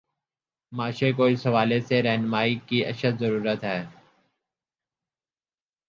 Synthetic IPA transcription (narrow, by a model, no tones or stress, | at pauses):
maːʃekoːɪsɐʋaːleseɾɛɦnmaːikiɐ̰ʃət̪zəɾuːɾət̪ɦɛː